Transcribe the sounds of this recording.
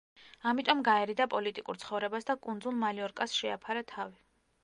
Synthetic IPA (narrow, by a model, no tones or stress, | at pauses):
amit̪ʼɔmɡaɛɾid̪apʼɔlit̪ʼikʼṵɾt̪sʰχɔvɾɛbasd̪akʼund̪zulˠmaliɔɾkʼasʃɛapʰaɾat̪ʰavi